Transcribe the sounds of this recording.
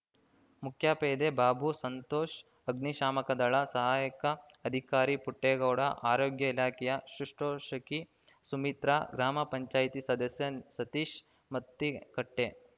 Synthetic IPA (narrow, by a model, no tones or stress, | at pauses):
mukʰjaːpeːd̪ebaːbʱusɐnt̪oːʃ | ɐɡniʃaːmɐkɐd̪ɐɭɐsɐɦaːjɐkɐːd̪ʱikaːɾipuʈːeːɡɐwɽɐ̰ʔaːɾoːɡjɐilaːkɛjɐʃɾuʂʈoːʃɐki | sumit̪ɾaɡɾaːmɐpɐɲt͡ʃaːjt̪isɐd̪ɐsjɐsɐt̪iːʃ | mɐt̪ːikɐʈːe